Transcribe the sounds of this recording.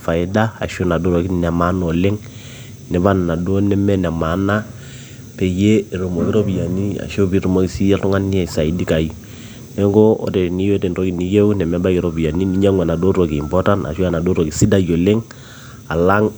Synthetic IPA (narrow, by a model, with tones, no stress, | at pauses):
fa˨ɪ˦da̰ː˦˨ʃo˦na˨do˦ɾo˨ki˦nɛ˨ma˦no˨le˦ŋ | nɛ˨˦ba˦nna˨do˦nɛ˦mɛ˦nɛ˨ma˨˦na˦ | pe˨je˦˨ɾo˨mo˨ki˦ɾo˦bi˨ja˨ni˦a̰˨ʃo˦bi˦ɾu˨mo˨˦ki˨si˦ɛ˦ʊ˦ŋa˦ni˦ɛ˨sa˨i˨˦di˦ka˨i˨ | nɛ˦ŋɡo˦o̰˦te˨ni˦jo˦te˨nro˦ki˨ni˨je˦u˦nɛ˨mɛ˨˦ba˦ki˨ɾo˨bi˨ja˨ni˦ni˨˦ɲa˦ŋwɛ˨na˨do˦ɾo˨kiː˨mpɔ˦ta˦na̰˨ʃu˦a˦˨na˨do˦ɾo˨ki˨si˦da˦jo˨le˦ŋ | a˨la˦ŋ